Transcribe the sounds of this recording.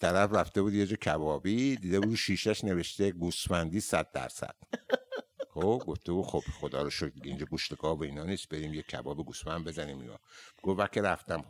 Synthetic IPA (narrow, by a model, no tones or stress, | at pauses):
t̪ʰæɾæfræft̪e̞buːd̪jed͡ʒɒːcʰæbɒːbid̪iːd̪ebuːd̪ʃiːʃæʃne̞ve̞ʃt̪eɡusmænd̪iːsæ̰d̪̚ːæ̰ɾsæ̰d̪̥ | χobɡoft̪ebuːd̪̥xob̥xo̞d̪ɒ̰ːɾoʃokd̪iɟeind͡ʒɒɡuʃt̪eɡɒːboiːnɒːniːs̚beɾiːmjekʰæ̰bɒːbiɡusmænd̪be̞zæniːmḭnɒ̰ːɡ̥oækʰeɾæft̪æm